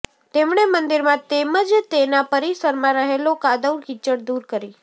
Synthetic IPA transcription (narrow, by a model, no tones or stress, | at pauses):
t̪emɳemənd̪iɾmãt̪eməd͡ʒt̪enapəɾisəɾmãɾəɦelokad̪əwɽkit͡ʃəɽd̪uɾkəɾi